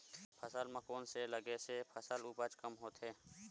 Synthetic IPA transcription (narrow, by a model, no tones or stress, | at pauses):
pʰəsəlmãkoːnseləɡesepʰəsəlupət͡ʃkəmɦoːt̪ɦɛː